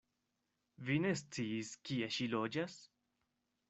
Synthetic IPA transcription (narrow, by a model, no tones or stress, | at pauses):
vine̞st͡siːskieʃilo̞d͡ʒas